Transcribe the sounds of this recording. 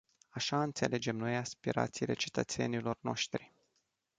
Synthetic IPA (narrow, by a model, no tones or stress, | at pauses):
aʃaɨnt̪se̞lʔe̞d͡ʒe̞mno̞jaspiɾa̰t̪sile̞̰t͡ʃe̞̥t̪ət̪se̞̰nilo̞rno̞̰ʃt̪ɾi